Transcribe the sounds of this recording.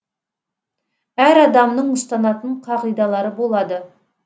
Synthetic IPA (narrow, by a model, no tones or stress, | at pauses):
æɾɑd̪ɑmnəɴʊst̪ɑnɑt̪əɴqʰɑʁijd̪ɑlˠɑɾəbo̞lˠɑd̪ə